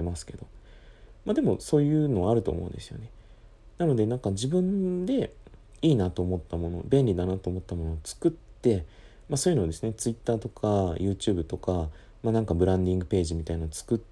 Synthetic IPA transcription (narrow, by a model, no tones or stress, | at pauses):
emasɨ̥ke̞d̪o̞ | mad̪e̞mo̞so̞ːjɯ̟ːno̞aɾɯ̟t̪o̰ːmoɯ̟̰̃nd̪e̞sɨjo̰ne̞ | nano̞d̪e̞nãŋkaʑibɯ̟̃nd̪e̞ | iːnat̪o̞ːmo̞t̪ːamo̞no̞̰bẽ̞nʲɾʲid̪anat̪o̞ːmo̞t̪ːamo̞no̞ːt͡sɨ̥kɯ̟t̪ːe̞ | maso̞ːjɯ̟no̞ːd̪e̞sɨnet͡sɨit̪ːaːt̪o̞kʰajɯ̟ːt͡ɕɨ̟ːbɯ̟t̪o̞ka | manãŋkabɯ̟ɾãnd̪ʲĩŋɡɯ̟pe̞ːʑimʲit̪ainaot͡sɨ̥kɯ̟